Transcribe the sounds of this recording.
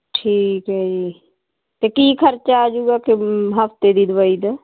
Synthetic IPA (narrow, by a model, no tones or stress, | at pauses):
ʈʰiːkɦɛd͡ʒi | t̪ekiːkʰəɾt͡ʃaːd͡ʒuːɡakeɦəft̪ed̪id̪ʋəiːd̪ə